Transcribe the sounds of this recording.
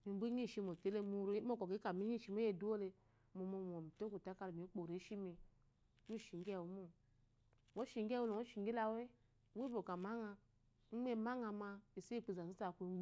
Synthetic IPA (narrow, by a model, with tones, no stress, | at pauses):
mi˨˦bu˦ɲi˦˨ʃi˧mo˨te˨˦le˦mu˦ɾe˦m˦o˦˨ko˨ki˨˦ka˨mi˦i˦˨ʃi˦mo˦je˦˨du˦o˦le˧ | mo˨mo˨m˨o˨mi˨to˦ku˨ta˨˦ka˧lmi˨˦k͡po˨ɾe˨˦ʃi˦mi˨ | mu˦˨ʃi˨ŋ˦ɡe˦˨wu˨˦mo˦˨ | wo˦ʃi˨ŋ˦ɡe˦wo˦lo˨wo˦ʃi˨ŋɡi˦la˦we˦ | we˦bo˨ka˨ma˦ŋa˧ | ŋ̩˦m˦e˦ma˦ŋa˧ma˧i˨se˦i˦˨k͡pi˨za˨i˦ta˨kʷ